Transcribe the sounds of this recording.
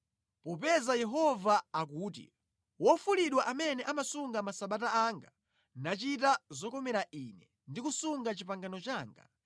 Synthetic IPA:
pɔp̬ɛzajɛɦɔvaːkuːt̬ḭ | wɔfuliɗwaʔamɛnɛʔamasuŋɡamasaɓataaŋɡa | nat͡ʃit̬azɔkɔmɛɾaʔinɛ | ndikusuŋɡat͡ʃipaŋɡanɔt͡ʃaːŋɡa̰

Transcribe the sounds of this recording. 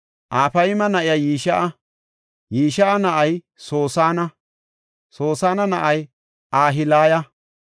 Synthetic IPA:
ʔaːfɐjmɐnɐʔɪjɐjiːʃɐʔɐ | jiːʃɐʔɐnɐʔɐj | so̞ːsaːnɐ | soːsaːnɐnɐʔɐj | ʔaːɦɪlaːjɐ

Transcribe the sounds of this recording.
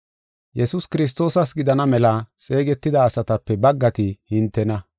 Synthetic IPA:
jɛsʊskɪɾɪs̬t̪o̞ːsɐsɡɪd̪ɐnɐmɛlɐt͡sʼe̞ːɡɛt̪ːɪd̪ɐːsɐt̪ɐpːɛbɐɡːɐt̪ɪhɪnt̪ːɛnɐ

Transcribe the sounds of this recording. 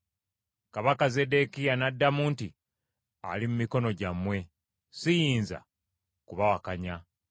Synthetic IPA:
kaβakaze̞de̞kijanadːamuːnti | a̰limumiko̞no̞ɟamwe̞ | sijiːnza̰ | kuβawakaɲa

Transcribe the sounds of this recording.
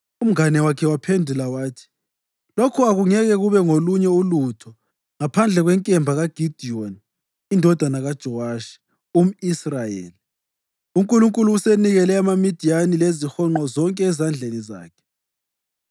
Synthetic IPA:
um̩ŋanɛwakʰɛwapʰendʱulawaːtʰi̥ | lokʰuaɣuŋɛɣɛɣuβɛŋoluɲɛulutʰɔ | ŋapʰand͡ɮʱɛɣwɛŋkʼɛmbʱaɣaɡ̥ʱid̥ʱiɔn | indʱɔd̥ʱanaɣad̥ʒ̥ʱɔwaːʃi̥ | um̩israjḛːli | uŋkʼuluŋkʼuluːseniɣɛlɛamamid̥ʱijanilezixɔŋ͡ǃɔzɔŋkʼɛːzand͡ɮʱeniza̰ːkʰɛ̥

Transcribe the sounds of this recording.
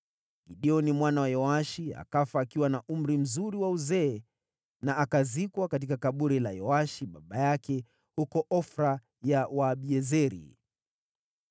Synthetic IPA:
ɡiɗiɔnimwanawajɔaʃia̰kafaːkiwanaʔum̩ɾim̩zuɾiwauzɛː | naʔakazikwakat̬ikakaɓuɾilajɔaʃiɓaɓajakɛ | hukɔʔɔfɾa | jawaːɓiɛzɛɾḭ

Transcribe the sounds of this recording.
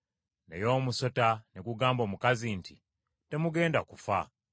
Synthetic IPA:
nḛjo̞ːmuso̞taneɡuɡaːmbo̞ːmukazinti | te̞muɡe̞ːndakufa̰

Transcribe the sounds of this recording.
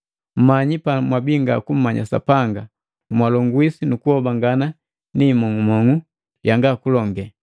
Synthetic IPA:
m̩maɲipamwabiŋɡakum̩maɲa̰sa̰paŋɡa | mwalɔŋɡwisinukuhɔbaŋɡana | nimɔŋumɔŋu | jaŋɡakulɔŋɡɛ

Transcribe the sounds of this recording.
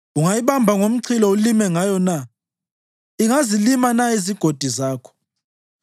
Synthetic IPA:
uŋajiβambʱaŋom̩ǀʰilɔulimɛŋajɔna | iŋazilimanaiziɡ̥ʱod̥ʱizaːkʰɔ̥

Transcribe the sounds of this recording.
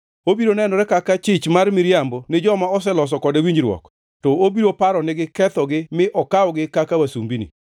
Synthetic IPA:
obiɾonɛnɔɾɛkakat͡ʃɪt͡ʃmarmɪɾjambɔnɪd͡ʒɔmaɔs̬ɛlɔs̬ɔkɔdewiɲd͡ʒɾwɔ̰k | tɔobiɾopaɾɔnɪɡɪkɛt̪ɔɡɪmɪʔɔkaɔɡɪkakawasumbinḭ

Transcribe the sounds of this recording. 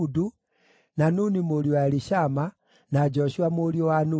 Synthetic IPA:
udu | nanunimoljoaliʃama | nad͡ʒoʃiwamoljowanu

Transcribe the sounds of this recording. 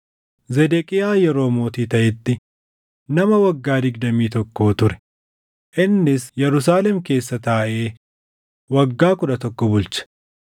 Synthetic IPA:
zɛd̪ɛkʼɪjaːjɛɾo̞ːmo̞ːt̪iːt̪ɐʔɪt̪ːɪ | nɐmɐwɐɡːaːd̪ɪɡd̪ɐmiːt̪ɔkːo̞ːt̪ʊɾɛ̥ | ʔɪnːɪsjɛɾʊs̬aːlɛmke̞ːsːɐt̪aːʔe̞ː | wɐɡːaːkʊᶑɐt̪ɔkːɔbʊlt͡ʃɐ̥

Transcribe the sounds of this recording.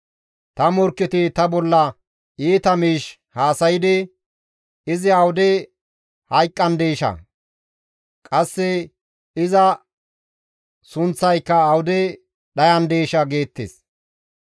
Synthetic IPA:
t̪ɐmɔɾkːɪt̪ɪt̪ɐbɔlːɐ | eːt̪ɐmiːʃ | haːsɐjɪd̪ɪ | ɪzɪɐwʊd̪ɛ | hɐjkʼːɐnd̪eːʃɐ̰ | kʼɐsːɛ | ɪzɐ | sʊnt͡sːɐjkːɐːwʊd̪ɛ | ɗɐjɐnd̪eːʃɐɡe̞ːt̪ːḛs

